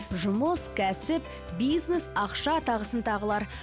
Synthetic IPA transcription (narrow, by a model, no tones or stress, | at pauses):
ʒʊməskʲʰæsɪp | bijznesɑqʃɑt̪ʰɑʁəsənt̪ʰɑʁəlˠɑɾ